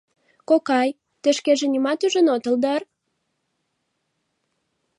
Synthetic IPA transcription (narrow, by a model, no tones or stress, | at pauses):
kokɑj | t̪ə̆ʃkeʒĕnʲimɑt̪yʒə̆not̪ə̆ld̪ɑr